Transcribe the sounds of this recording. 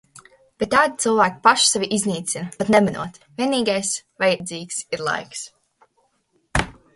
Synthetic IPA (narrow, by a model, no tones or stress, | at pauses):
b̥et̪̚ːaːd̪ʲit̪sɨlˠvæːkʲi̥paʃsɛvʲiʔizniːt̪sinpat̪nɛmanṵɔt̪vʲiɛniːɡajsvajɛd̪ziːksiɾlˠa̰jks